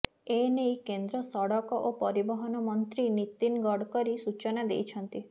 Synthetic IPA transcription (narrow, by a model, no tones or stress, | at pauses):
enejkend̪ɾɔsɔɽɔkɔʔopɔɾibɔɦɔnɔmɔnt̪ɾinit̪inɡɔɽkɔɾisut͡ʃɔnad̪ḛjt͡ʃʰɔnt̪i